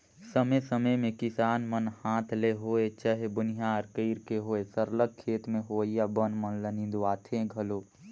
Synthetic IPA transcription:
səmesəməjmẽkɪsaːnmənhãːt̪ʰleɦoːet͡ʃəɦebʊnɪjaəɾkiːɾkeɦoːesəɾlək̚kʰːeːt̪mẽɦoːijabənmənlənĩd̪uaːt̪ʰeɡʱɐloː

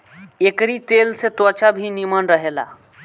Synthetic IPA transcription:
ekɾit̪elset̪ət͡ʃabʱinimənɾəɦela̰

